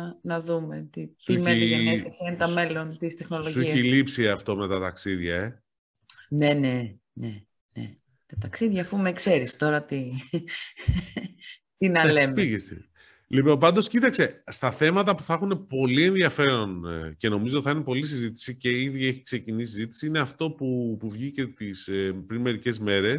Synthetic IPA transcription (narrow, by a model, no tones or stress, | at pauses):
nɐðumet̪isiuemeɐesiɐnt̪ɐme̞lo̞nt̪ist̪e̞xno̞loʝueçilipsiɐft̪o̞me̞t̪ɐt̪ɐksiðʝɐe̞ | ne̞ne | ne | nḛ | t̪ɐt̪ɐksiðʝɐːfumekse̞ɾist̪o̞ɾɐt̪i | t̪inɐles̞mpiʝest̪ḭ | lipompɐnd̪o̞scit̪ɐkse̞st̪ɐθe̞mɐt̪ɐpuθɐxune̞po̞lie̞nðiɐfe̞ɾo̞nce̞no̞mizot̪iθɐinepo̞lis̬izit̪i̥sice̞iðie̞çi̥kse̞cinis̬izit̪i̥siine̞ɐft̪o̞pupuvʝice̞t̪ispɾinme̞ɾice̞zme̞ɾe̞s